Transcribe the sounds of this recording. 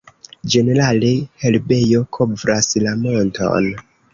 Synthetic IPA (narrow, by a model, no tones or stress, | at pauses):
d͡ʒe̞ne̞ɾalehelbe̞jo̞kʰovɾaslamonto̰n